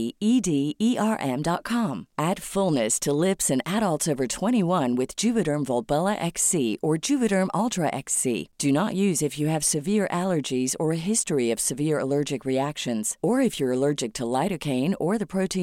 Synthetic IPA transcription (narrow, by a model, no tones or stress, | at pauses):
idiiʔɑɹʔɛ̃mdɑt̚kʰɑ̃mæd̥fʊlˠnɨstʰəlɪpsɨ̃næɾəlˠtsovə˞tʰw̥ɛ̃ɾ̃iwʌ̃nwɨð̥d͡ʒʉvɨɾə̃˞ɱvɔlˠbɛlˠəʔɛksiʔə˞d͡ʒʉvɨɾə̃˞mʔɑlˠtʰɹəʔɛksḭd̥ɨnəʔjʉzɨfjɨːv̥sɨvɪɹʔælˠə˞d͡ʒizə˞ɨɦɪstɹiʌv̥sɨvɪɹə̰lɜ˞d͡ʒɨkɹiækʃɨ̃nz̥ə˞ɨfjə˞ɨlɜ˞d͡ʒɨk̚tʰəlaɪɾɨkʰẽɪ̃nə˞ðɨpʰɹ̥oʊɾʰĩ